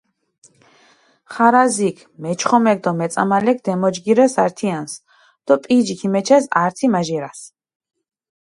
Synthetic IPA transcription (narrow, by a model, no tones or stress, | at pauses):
χaɾazikʰmɛt͡ʃʰχɔmɛk̚d̪ɔmɛt̪sʼa̰malɛk̚ʰd̪ɛmɔd͡ʒɡiɾɛsaɾt̪ʰians | d̪̥ɔpʼid͡ʒikʰimɛt͡ʃʰɛsaɾt̪ʰimaʒiɾas